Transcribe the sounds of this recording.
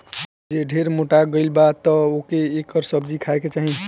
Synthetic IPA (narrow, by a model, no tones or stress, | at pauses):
d͡ʒeɖʱeɾmoʈaɡəɪlbat̪ɔokeːkəɾsəbd͡ʒikʰaeket͡ʃaɦĩ